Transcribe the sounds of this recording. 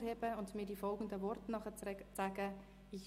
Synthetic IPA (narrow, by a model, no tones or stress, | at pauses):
ɾheːbəʊntmiːdiːfɔlˠɡən̩dəvɔrtnɑχət͡sæːɡə | ɪç